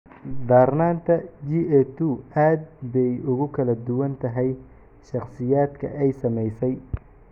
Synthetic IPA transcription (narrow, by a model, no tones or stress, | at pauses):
d̪aːrnaːnt̪ʰɐd͡ʒiːɛt̪ʰuaːd̪̚bɛjʊɣʊkʰɐlɐd̪ʊwɐnt̪ʰɐɦɛj | ʃɑχsɪjaːd̪kʰɐ̰ʔɛjsɐmɛjsɛj